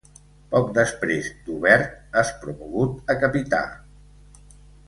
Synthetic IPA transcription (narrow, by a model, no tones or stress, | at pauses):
pɔk̚d̪əspɾezd̪uβɛɾt̪əspɾumuɣut̪əkəpit̪a̰